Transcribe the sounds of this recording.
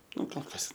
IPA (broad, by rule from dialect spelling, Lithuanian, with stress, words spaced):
ˈnʊ koːlˠ ˈkɐs